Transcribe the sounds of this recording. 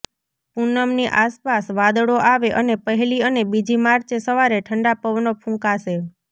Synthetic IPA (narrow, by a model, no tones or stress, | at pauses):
punəmniʔaspasʋad̪əɽoʔaʋeʔənepəɦɛliənebid͡ʒimaɾt͡ʃesəʋaɾeʈʰəɳɖapəʋnopʰũŋkaʃe